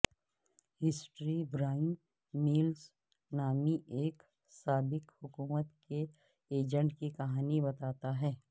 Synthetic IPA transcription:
hɪsʈɾibɾaːɪn | miːls | naːmiʔeːk | saːbɪkhʊkuːmət̪ke | eːd͡ʒə̃ɳʈkikɐɦaːnibɐt̪aːt̪aɦɛː

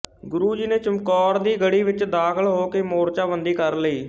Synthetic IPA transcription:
ɡʊɾuːd͡ʒiːneːt͡ʃəmkɔːɾd̪iːɡəɽiːʋɪt͡ʃd̪aːkʰəɭɦoːkeːmoːɾt͡ʃaːbənd̪iːkəɾləiː

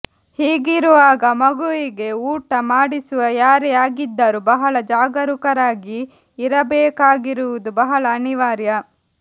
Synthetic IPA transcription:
hiːɡiɾuʋaːɡɐmɐɡuʋiɡe̞uːʈɐmaːɽisuʋɐjaːɾɛaːɡid̪ːaːɾubɐɦɐɭɐd͡ʒaːɡɐɾukɐɾaːɡiː | ɾɐbɛːkaːɡiɾuʋud̪ubɐɦɐɭɐːniʋaːɾjɐ

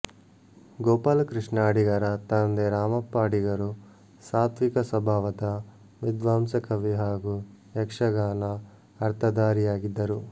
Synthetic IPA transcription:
ɡɔːpaːlkɾiʂɳaːɽiɡɐɾɐt̪ɐnd̪eɾaːmɐpːaːɽiɡɐɾu | saːt̪ʰʋikɐsɐbʱaːʋɐt̪ɐ | ʋid̪ʋaːmsɐkɐʋiɦaːɡu | ekʂɐɡaːnɐ | ɐɾt̪ʰɐd̪aːɾijaːɡid̪ːɐɾu

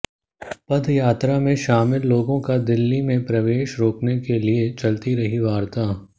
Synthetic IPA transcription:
pɐd̪jaːt̪ɾamẽʃaːmɪlːoːɡõkad̪ɪlːimẽpɾɐʋeːʃɾoːknekeliet͡ʃɐlt̪iɾɐɦiʋaːɾt̪aː

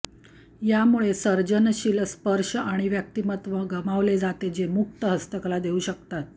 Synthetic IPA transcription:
jamuɭesəɾd͡ʑənɕilspəɾʂəaɽ̃iʋjək̚t̪imət̪ʋəɡəmaʋled͡zat̪ed͡ʑemuk̚t̪əɦəst̪əklad̪euɕəkt̪at̪̚

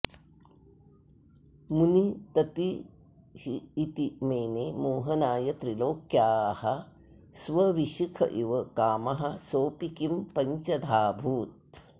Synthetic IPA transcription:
munit̪ɐt̪i | hiːt̪imeːneːmoːɦɐnaːjɐt̪ɾiloːkjaːhɐ | sʋɐʋiʃikʰɐ̰ʔiʋɐkaːmɐɦɐsoːpikimpɐɲt͡ʃɐd̪ʱaːbʱuːt̪̚

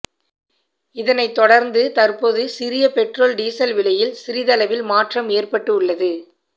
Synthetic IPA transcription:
ɪðɐnɐɪt̪ːɔɽɐɾnd̪ɯt̪ɐrpoːðɯsɪɾɪjɐpɛʈroːlɖiːsɐlʋɪlɐjɪlsɪɾɪðɐlɐʋɪlmaːʈrɐmeːrpɐʈːɯʊɭːɐðɯ

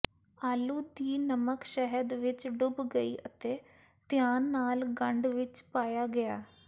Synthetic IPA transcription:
aːluːd̪iːnəməkʃɛɦəd̪ʋɪt͡ʃɖʊbɡəḭːʔət̪eː | t̪ɪjaːnːaːlɡəɳɖʋɪt͡ʃpaːjaːɡɪaː

